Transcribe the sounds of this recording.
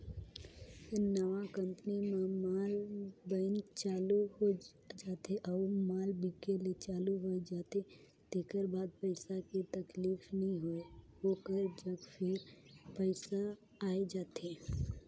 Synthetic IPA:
nəʋãkə̃mpənimẽmaːlbənt͡ʃaːluɦo | d͡ʒaːt̪eʔɔːmaːlbikelet͡ʃaːluɦoed͡ʒaːt̪e | t̪eːkəɾbaːd̪̚pəɪsaket̪ɐkliːfnɐɦĩɦoeɦoːkəɾd͡ʒɐɡpʰɪɾpəɪsaː | ed͡ʒaːt̪eː

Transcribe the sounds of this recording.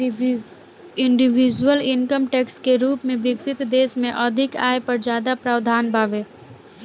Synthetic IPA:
ɪ̃ɳɖɪʋid͡ʒwəlɪŋkəmʈeːkskeɾuːpmẽʋɪksɪt̪d̪eːsmẽʔəd̪ʱɪka̰ːepɐɾd͡ʒjaːd̪apɾaːʋd̪ʱaːnbʱaːʋeː

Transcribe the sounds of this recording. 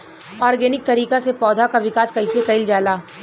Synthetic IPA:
ɔːɾɡɛːnɪk̚t̪ɐɾiːkasepɔːd̪ʱakaʋɪkaːskɐɪsekɐɪld͡ʒaːlaː

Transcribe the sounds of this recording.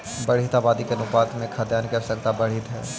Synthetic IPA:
bɐɽ̤it̪aːbaːd̪ikenʊpaːt̪mẽkʰad̪jaːnkɐɾsɐkt̪abɐɽ̤it̪ɦɛː

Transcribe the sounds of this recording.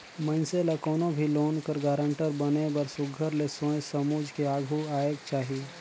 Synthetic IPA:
mə̃nselakɔːnobʱiloːnkəɾɡaːɾə̃ɳʈəɾbɐnebəɾsʊɡʱəɾlesõjsɐmuːd͡ʒʱkeaːɡʱuaːekt͡ʃaːɦi

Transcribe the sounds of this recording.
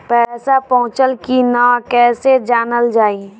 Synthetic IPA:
pɛːsapɔɦʊ̃t͡ʃəlkinãːkɛːsed͡ʒaːnəld͡ʒaːi

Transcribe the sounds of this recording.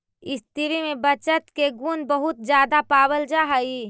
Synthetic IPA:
ɪst̪iɾimẽbət͡ʃət̪keɡunbəɦʊt̪̚d͡ʒjaːd̪apaːbəld͡ʒaɦəi

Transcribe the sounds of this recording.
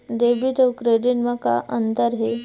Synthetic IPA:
ɖebiʈəwkɾeɖiʈmaka̰ʔənt̪əɾɦe

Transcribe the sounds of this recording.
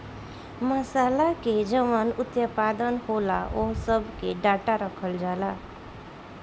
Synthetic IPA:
məsalaked͡ʒʌʋənut̪jəpad̪ənhola̰ʔosʌbʱkeɖaʈaɾəkʰəld͡ʒala

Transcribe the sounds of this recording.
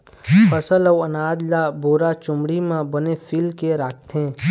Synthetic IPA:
pʰəsəlɐwɐnaːd̪laboːɾat͡ʃʊ̃mɽimãbənefʰiːlkeɾaːk̚t̪ẽ

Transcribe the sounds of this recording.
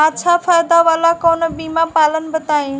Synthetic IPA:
aʃʰafʰaːjd̪aʋaːlakoːnəbiːmapaːlənbət̪aːĩ

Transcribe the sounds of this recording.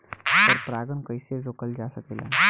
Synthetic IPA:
t̪əɾpɾaɡənkəjseɾɾokəld͡ʒasəkela̰

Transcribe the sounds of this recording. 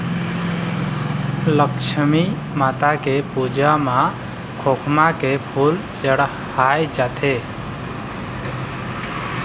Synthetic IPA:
ləkt͡ʃʰəmi | mat̪akepud͡ʒama | kʰokʰmakepʰul | t͡ʃəɽ | hajd͡ʒat̪ʰe

